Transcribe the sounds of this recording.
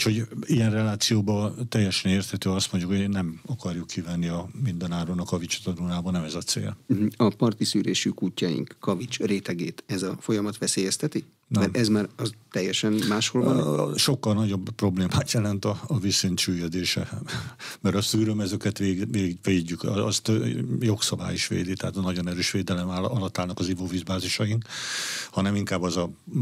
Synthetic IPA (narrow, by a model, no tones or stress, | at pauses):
cho̞ɟijɛnrɛlaːt̪sijoːbɒt̪ɛjːɛʃɛneːrt̪hɛt̪øːɒst̪mo̞ɲɟjukoenɛmɒkɒrjukːivɛnːiɒmind̪ɛnaːɾonɒkɒvit͡ʃi̥t̪ɒnunaːbɒnɛmɛzɒt̪sḛːl̩ɒpɒrt̪isyːɾḛːʃykucːajḭŋkːɒvit͡ʃreːt̪ɛɡḛːt̪ɛzɒfo̞jɒmɒt̪ʋɛseːjɛst̪ɛt̪i | nmɛɾʔɛzmaːɾɒzt̪ɛjːɛʃɛnmaːʃholnʃo̞kːɒlnɒɟo̞bpːro̞bleːmaːt̪jɛlɛnt̪ɒːvisent̪t͡ʃyːjød̪eːʃɛ | mɛɾɒst̪yɾømɛzøkɛt̪ʋeːʋeːɟːykɒst̪jo̞ksɒba̰ːjiʃʋḛːd̪it̪ɛɦaːt̪ɒnɒɟo̞nɛɾøːʃʋeːd̪ɛlɛmaɒlɒt̪ːaːlnɒkɒzivovizbaːziʃɒjiŋkhɒnɛmiŋkaːbːɛzɒ